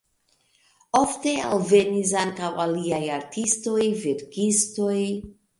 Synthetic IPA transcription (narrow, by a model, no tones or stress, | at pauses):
ofte̞a̰lve̞nis̬aŋkawaliajaɾtʰisto̞jveɾkisto̞j